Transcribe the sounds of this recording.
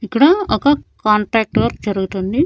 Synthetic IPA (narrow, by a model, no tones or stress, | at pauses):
ikːɐɽɐɐkɐkaːɳʈɾaːk̚ʈʋɐɾkd͡ʒɐɾuɡut̪und̪i